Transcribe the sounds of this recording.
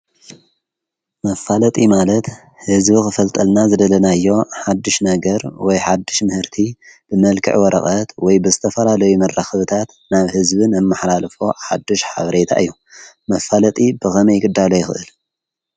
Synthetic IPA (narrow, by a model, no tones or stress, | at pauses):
mɐfːalɐt̪ʼimalɐt̪ | hɨzbixɨfɐlt̪ʼɐlnazɨd̪ɐlɐnajːo̞ħad̪ːɨʃnɐɡɐɾwɔjħad̪ːɨʃmɨhɨɾt̪ʰib̥ɨmɐlkʰɨ̰ʕwɔɾʔɐ̰xʼɐt̪wɔjbɨzɨt̪ʰɐfɐlalɐjumɐrːaxɐβɨt̪ʰat̪ | naβhɨzbɨnɐmːɨħlalfoħa̰d̪ːɨʃħa̰βɐɾet̪ʰa̰ʔɨjːu | mɐfːalɐt̪ʼibɨxɐmɐjɡɨd̪ːalojɪxɨ̰ʔɨl